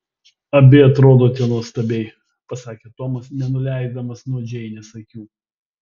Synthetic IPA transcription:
ɐbʲɪɐt̪ɾoːd̪oːt̪ʲiɛnoɔst̪ɐbʲɛɪ | pɐsɑːkʲeːt̪omɐsnʲɛnʊlʲæɪzd̪ɐmɐsnuɔd͡ʒʲɛɪnʲɛsɐkʲuː

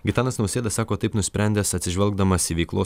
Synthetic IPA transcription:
ɡʲɪt̪ɑːnɐsnɒʊsʲeːd̪ɐsɑːkoːt̪ɐɪpnʊsʲpʲɛnʲd̪ʲɛːsɐt̪ʲsʲɪʒʲʋʲɛlˠɡd̪ɐmɐsʲɪʋʲɛɪklˠoː

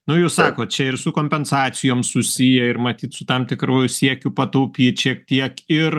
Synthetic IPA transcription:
nʊjɛʊsɑːkoːt̚t͡ʃʲɛɪrsʊkoːmʲpʲɛnsɑːt͡ssʲɪjoːmsʊsʲijɛɪrmɐt̪ʲiːt̪sʊt̪ɐmt̪ʲɪkɾuːjʊsʲiɛkʲʊpɐt̪ɐʊpʲiːt͡ʃʲiɛk̚t̪ʲiɛkɪr

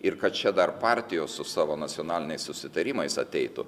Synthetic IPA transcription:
ɪɾkɐt̪̚t͡ʃʲɛd̪ɐrpɑːˑɾʲt̪ʲɪjoːssʊsɑːʋoːnɐt͡ssʲɪoːnɑːlʲɪnʲɛɪssʊsʲɪt̪ɐɾʲiːmɐɪsɐt̪ʲɛɪt̪ʊ̰

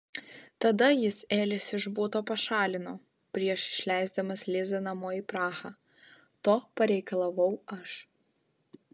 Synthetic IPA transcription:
t̪ɐd̪ɐjɪseːlʲɪsɪʒbuːt̪oːpɐʃɑːlʲɪnoː | pʲɾʲiɛʃɪ̥ʃʲlʲæˑɪzd̪ɐmɐslʲɪzɐnɐmoːiːpɾɑːxɑː | t̪oːpɐɾʲɛɪkɐlˠɐʋɐʊɐʃ

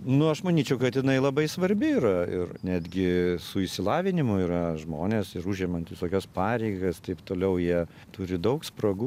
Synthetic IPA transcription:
nʊɐʃmɐnʲiːt͡ʃʲɛʊkɐt̪jɪnɐɪlˠɐbɐɪsʋɐɾʲbʲɪiːɾɐɪrnʲæːd̪ʲɡʲɪsʊɪʃsʲɪlˠɑːʋʲɪnʲɪmʊiːɾɐʒmoːnʲeːsɪɾuʒʲiɛmɐnt̪ʋʲɪsoːkʲɛspɑːɾʲɛɪɡɐst̪ɐɪpt̪oːlʲɛʊjiɛ | t̪ʊɾʲɪd̪ɐʊksprɐɡu

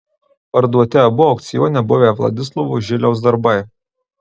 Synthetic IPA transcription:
pɐɾd̪uɔt̪ʲɛbʊɔʊkt̪sʲɪjoːnʲɛbʊʋʲeːˑʋlˠɐ̰d̪ʲɪslˠɔʋuʒʲɪlʲɛʊsd̪ɐɾbɐɪ

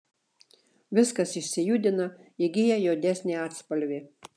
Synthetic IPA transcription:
ʋʲɪskɐsɪʃʲsʲɪjud̪ʲɪnɐɪɡʲɪjɛjoːd̪ʲæsʲnʲeɑːt̪spɐlʲʋʲɪ

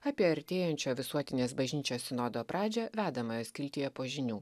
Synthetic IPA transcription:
ɑːpʲiɛɐɾʲt̪ʲeːjɛnʲt͡ʃʲoːʋʲɪsuɔt̪ʲɪnʲeːsbɐʒʲnʲiːt͡ʃʲoːssʲɪnoːd̪oːpɾɑːd͡ʒʲɛːʋʲæːd̪ɐmɐjoːskʲɪlʲt̪ʲɪjɛpoːʒʲɪnʲuː

